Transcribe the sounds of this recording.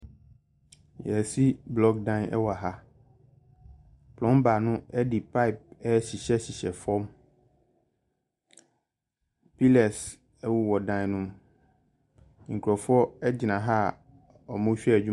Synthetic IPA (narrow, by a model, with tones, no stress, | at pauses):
jɛ˨si˦blɔ˦ɡ̚dã˦nɛ̰˦wɔ˨a˨ɦa˦ | pʰlɔ̃˦mba˨nʊ̃˦ɛ˦dɪ˨pʰa˦ɪ˨p̚ɛ˦ɕi˨ɕɛ˦ɕi˨ɕɛ˨fɔ˦m | pi˦lɛ˨s | ɛ˦wu˨wɔ˨dã˨nʊ̃˦m˨ | ŋ̩˨kʰu˨ɾɔ˨fʊ˦ɔ˦ɛ˦d͡ʑɪ˨nã˨ɦa˦ | ɔ˨mʊ̃˦ɕᶣi˦ɛ˦˨d͡ʑᶣu˦